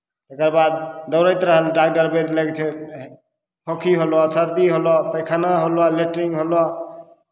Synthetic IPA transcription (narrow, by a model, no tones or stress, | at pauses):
t̪ekəɾbad̪̚d̪əʊɾəjt̪ɾəɦəlɖaɡ̚ɖəɾbed̪ləɡt͡ʃʰe | kʰokʰiɦolɔsəɾd̪iɦolɔpəɪkʰanaɦolɔleʈɾiŋɡɦolɔ